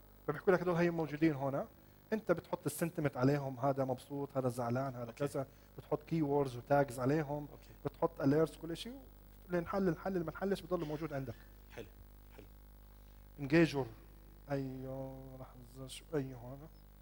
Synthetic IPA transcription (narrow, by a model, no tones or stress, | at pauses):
fabɪħkuːlakd̪oːlɦajːamowd͡ʒuːd̪iːnɦoːna | ʔɪnt̪abɪt̪ħʊt̪ˤːɪsːɪnt̪ɪmɪt̪ʕaleːɦʊmɦaːd̪amɑbsˤuːt̪ˤhaːd̪azaʕlaːnhaːd̪akaza | b̥ɪt̪ħʊt̪ˤːkiːwoːɾd̪zwɪt̪aːɡɪzʕaleːɦʊm | b̥ɪt̪ħʊt̪ˤːʔaleːɾswkʊlːʔaʃiw | lɪnħalːɪnħalːɪlːimanħalːɪʃbɪd̪ˤɑlːumowd͡ʒuːd̪ʕɪnd̪ak | ħ | ħl | ʔɪnɡeːʒʊɾˤ | ʔajaɾˤɑħzʃʔajːɦoːna